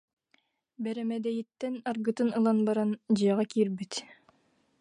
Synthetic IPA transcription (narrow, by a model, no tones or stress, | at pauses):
bɛɾɛmɛd̪ɛjit̪ːɛnɑɾɡɯt̪ɯnɯlˠanbɑɾɑnd͡ʑɯjɑʁɑkiɾbit̪